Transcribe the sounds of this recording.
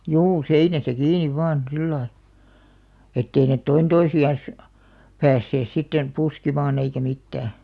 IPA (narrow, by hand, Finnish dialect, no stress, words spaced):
juː seinæsæ kiːniʋ ʋɑːn silːɑi etːei net toin toisiɑn̞s pæːsːeːs sitːen puskimɑːn eikæ mitːæː